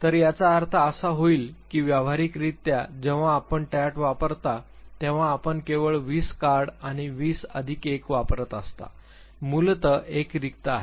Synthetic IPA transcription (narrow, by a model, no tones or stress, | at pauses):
t̪əɾjat͡saːɾt̪ʰəːsaɦoiːlkiːʋjaʋ̤aɾikɾit̪jad͡ʑeʋ̤ãːpəɳʈɛʈʋapəɾt̪at̪ẽʋ̤ãːpəɳkeʋəɭʋiːskaɾɖaɽ̃iʋiːsə̰d̪ʱikekʋapɾət̪əst̪a̰ | mult̪əʔekɾikt̪aaɦe